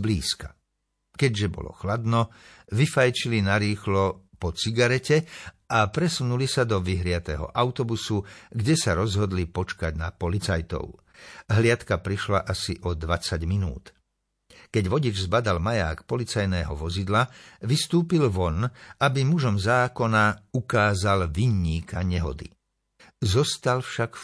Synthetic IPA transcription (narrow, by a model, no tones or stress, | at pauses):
blḭːskḁ | kɛɟʒɛbɔ̰lɔ̰xlad̪nɔ | ʋifajt͡ʃilinaɾiːxlɔpɔt͡siɡaɾɛcɛapɾɛsunulisad̪ɔʋiɦɾɪat̪ɛɦɔ̰ʔaʊt̪ɔbusuɡɟɛsaɾɔzɦɔd̪lipɔt͡ʃkaɟnapɔlit͡sajt̪ɔ̰ʊ | ɦlɪat̪kapɾiʃlaʔasiʔɔd̪ʋat͡saɟminṵːt̪ | kɛɟʋɔɟid͡ʒzbad̪almaja̰ːkpɔlit͡sajnɛːɦɔ̰ʋɔzid̪laʋist̪uːpilʋɔnabimuʒɔmzaːkɔnaukaːzalʋiɲːiːkʰaɲɛɦɔ̰d̪ḭ | zɔst̪alfʃak